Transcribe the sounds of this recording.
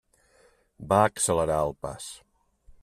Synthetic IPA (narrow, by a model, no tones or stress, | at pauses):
baəksələɾaəlˠpa̰s